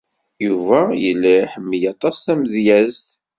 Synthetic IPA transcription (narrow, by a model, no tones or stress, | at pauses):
juvæjə̰lːiħəmːjɑt̪ˤɑsθæməðjæzθ